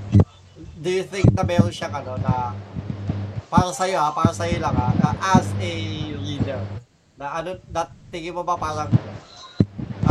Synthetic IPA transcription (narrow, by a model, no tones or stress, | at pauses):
d̪ujʊθɪŋk̚nɐmɛɾoʃaŋɐno̞nɐ | paːɾɐsɐjoapaːɾɐsɐjolɐŋanɐʔɐsɛliːd̪ɛɹ | nɐʔɐnonɐt̪ɪɡɪmobɐpaːlɐŋɪno